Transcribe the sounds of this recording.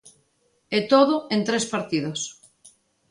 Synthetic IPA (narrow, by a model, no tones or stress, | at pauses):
et̪oðoẽnt̪ɾespaɾt̪ið̞os